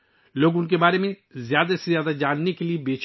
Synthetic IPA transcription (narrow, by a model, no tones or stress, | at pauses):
loːɡʊnk̬ebaːɾemẽ | zjaːd̪asezjaːd̪ad͡ʒaːnːekeliebeːt͡ʃ